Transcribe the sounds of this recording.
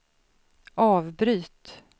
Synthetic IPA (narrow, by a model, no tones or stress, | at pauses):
ɑːvbɾyːt̪